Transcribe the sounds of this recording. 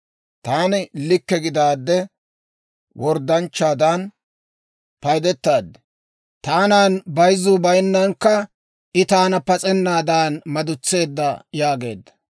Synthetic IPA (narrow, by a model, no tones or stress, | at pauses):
t̪aːnɪlɪkːɛɡɪd̪aːd̪ːɛ | wʔɔɾd̪ɐnt͡ʃːaːd̪an | pɐjd̪ɛt̪ːaːd̪ːɛ̥ | t̪aːnaːnbɐjzːʊbɐjnːɐŋkːɐ | ʔɪt̪aːnɐpɐt͡sʼɛnːaːd̪aːnmɐd̪ʊt͡sːe̞ːd̪ːɐjaːɡe̞̰ːd̪ːɐ̥